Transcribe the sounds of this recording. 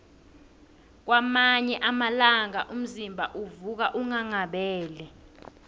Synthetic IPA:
k̬wamaɲɛʔamalaŋaʔum̩zimbʱaʔuvuk̬aʔuŋaŋaɓɛːlɛ

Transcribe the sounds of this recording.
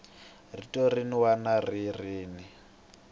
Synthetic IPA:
ritʼɔriniwanaririːni

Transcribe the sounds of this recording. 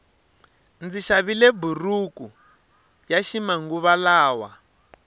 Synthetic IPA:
nd͡ziʃaβilɛburuku | jaʃimaŋɡuβalaːwa

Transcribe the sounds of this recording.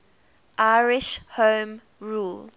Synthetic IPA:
ʔaɪɹɪʃhõːm | ɹuːl

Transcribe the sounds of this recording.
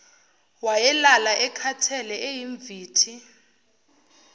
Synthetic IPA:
wajɛlalaʔɛkʰatʰɛlɛejiɱb̪vʱiːtʰi

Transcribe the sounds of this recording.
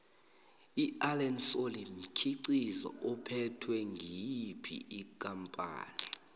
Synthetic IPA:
ialɛnsolim̩kʰiǀizɔ̰ɔpʰɛtʰwɛŋɡʱipʰḭikʼampʼa̰ːni

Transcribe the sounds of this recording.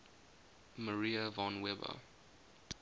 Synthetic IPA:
məɹiəvɑ̃nwɛbə̰

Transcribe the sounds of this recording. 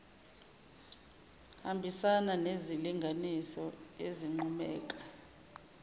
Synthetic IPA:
hambʱisananeziliŋɡʱanisɔeziŋ͡ǃumɛ̰ːk̬ʼḁ

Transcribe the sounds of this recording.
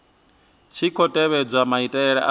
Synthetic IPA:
t͡ʃʰikʰɔtʼɛβɛd͡zʷamaitʼɛɺɛ̰ʔa

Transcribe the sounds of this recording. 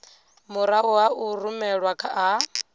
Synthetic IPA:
muɾawuwaurumɛɺwakʰaʔa

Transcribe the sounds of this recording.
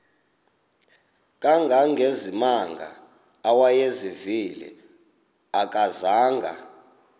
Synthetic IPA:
kʼaŋɡʱaŋɡʱezimaŋɡʱa̰ː | wajezivilḭ | akʼazaːŋɡʱa̰

